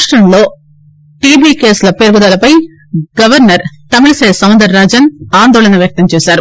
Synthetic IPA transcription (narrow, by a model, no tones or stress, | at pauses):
ʂʈɾɐmlo̞ː | ʈiːbiːkeːslɐpeːɾɡud̪ɐlɐpɐj | ɡɐʋɐɾnɐɾt̪ɐmiɭɐsɐːjsɐwnd̪ɐɾaːd͡ʒɐnaːnd̪ɔːlɐnɐʋjɐk̚t̪ɐmt͡ʃɛːsaːɾu